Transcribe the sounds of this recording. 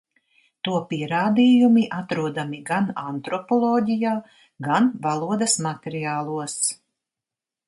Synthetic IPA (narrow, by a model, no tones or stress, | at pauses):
t̪uɔpiɛɾaːd̪iːjumiʔat̪ɾuɔd̪amiɡanant̪ɾɔpɔlˠɔːɟʲijaː | ɡanvalˠuɔd̪ɐsmat̪ʲɛɾiaːlˠuəs